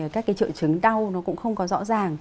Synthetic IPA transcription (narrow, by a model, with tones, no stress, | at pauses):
ʔəː˧˨˩kaː˦˥kːa˨˦t͡ɕɨ̰˧˨t͡ɕɨ˨˦ŋɗa˧wnɔ˨˦kʊ̰˧˥ŋ͡mxə˧wŋ͡mkɔ˨˦zɔ̰˧˥zaː˨˩ŋ